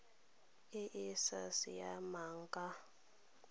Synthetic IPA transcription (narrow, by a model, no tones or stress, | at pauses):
eʔisasijamaːŋkʼa